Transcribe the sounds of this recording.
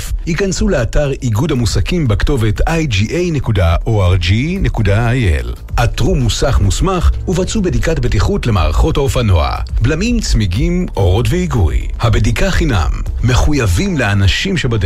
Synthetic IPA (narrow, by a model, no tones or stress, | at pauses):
fhikansuleataʁiɡudhamusakimbekto̞ve̞tajd͡ʒiʔejne̞kudaʔoaʁd͡ʒine̞kudaajḛl | ʔatʁumusaχmusmaχuvat͡subedikatbetiχutle̞ma̰ːʁaχo̞thaofano̞̰a̰ | blamimt͡smiɡimʔo̞ʁo̞tveiɡṵj | habedikaχina̰mː | e̞χujavimleanaʃimʃebad